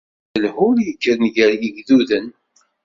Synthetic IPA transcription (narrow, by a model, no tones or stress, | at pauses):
əlhʊljəkːəɾənʝəɾjəɡðuðən